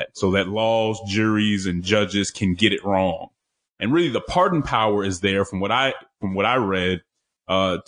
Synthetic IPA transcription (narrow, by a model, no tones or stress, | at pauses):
t̚soʊðɨtˡlɔzd͡ʒʊɹizɨ̃nd͡ʒʌd͡ʒɨz̥kʰɨ̃nɡɛɾɨt̚ɹɔ̃ŋ | ʔɨ̃nɹɪlˠiðəpʰɑɹdⁿn̩pʰaʊə˞ɨzðə˞fɹʌ̃mwʌɾaɪfɹʌ̃mwʌɾaɪɹɛd̥̚ | ʌ